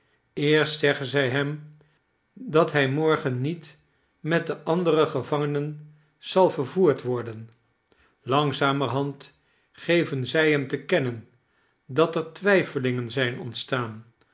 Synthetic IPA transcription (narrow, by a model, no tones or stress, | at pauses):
ɪːɹstsɛχənzɛjɦɛm | dɑtɦɛjmɔɹχənːit | mɛt̚dəʔɑndərəχəvɑŋənən | z̥ɑlˠvəɹvuːɹtʋɔɹdən | lɑŋzaːməɹɦɑnt | χejvənzɛjɦɛmtəkɛnən | dɑtəɹtʋɛjfəlɪŋənzɛjnɔntstaːn